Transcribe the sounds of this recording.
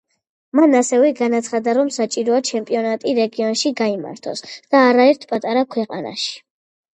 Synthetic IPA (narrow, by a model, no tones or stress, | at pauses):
manasɛvɛɡanat̪sʰχad̪aɾɔmsat͡ʃʼiɾɔat͡ʃʰɛmpʼiɔnat̪ʼiɾɛɡiɔnʃiɡaima̰ɾt̪ʰɔ̰sd̪̥aːɾaɛɾt̪ʰpʼat̪ʼaɾakʰwɛqʼa̰na̰ʃi̥